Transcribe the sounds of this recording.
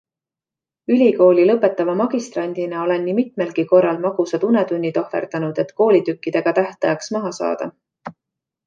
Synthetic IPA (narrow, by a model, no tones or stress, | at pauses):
ylʲiko̞ːlʲilɤpːˑe̞t̪ːˑɑvɑmɑɡ̥ist̪rɑnʲd̪̥inɑo̞le̞nːimit̪me̞lɡ̥iko̞rːɑlmɑɡ̥usɑd̪une̞d̪unʲːid̪̥o̞hve̞̰rd̪̥ɑnud̪̥e̞t̪ko̞ːlʲit̪ykːid̪̥e̞ɡ̥ɑt̪æht̪ɑjɑksmɑɦɑsɑ̰ːd̪̥ɑ̰